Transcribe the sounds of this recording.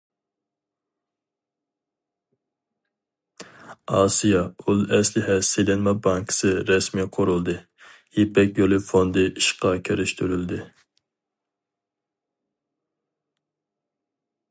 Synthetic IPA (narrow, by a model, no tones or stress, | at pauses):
ɑːsijɑulˠɛslɪhɛsejlɛnmɛbɑŋkʰɪ̥sɨɾɛsmijqʰoɾulˠd̪ɨ | jipɛkʲjolˠɨfond̪ɨʔiʃqɑkʲʰeɾyʃt̪ʰyɾyld̪ɪ